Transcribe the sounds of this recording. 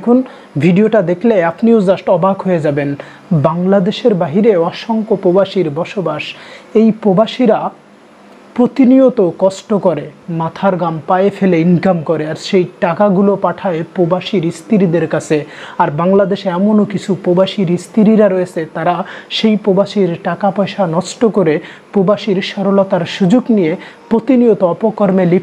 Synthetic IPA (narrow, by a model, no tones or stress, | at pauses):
kʰun | bʱiɖioʈad̪ekʰleapniozasʈɔbaɡɦoed͡ʑaben | baŋlad̪eʃeɾbaɦiɾeɔʃoŋkopɾobaʃiɾbɔʃobaʃejpɾobaʃiɾa | pɾot̪iniot̪okɔsʈokoɾemat̪ʰaɾɡampaeefeleinkamkoɾeaɾʃejʈakaɡulopaʈʰaepɾobaʃiɾist̪iɾid̪eɾkat͡ɕʰeaɾbaŋlad̪eʃeɛmonokit͡ɕʰupɾobaʃiɾist̪ʰiɾiɾaɾoet͡ɕʰet̪aɾaʃejpobaʃiɾʈakapɔjʃanɔsʈokoɾepɾobaʃiɾʃɔɾolɔt̪aɾʃud͡ʑoɡnijepɾot̪iniot̪oɔpokɔɾmeli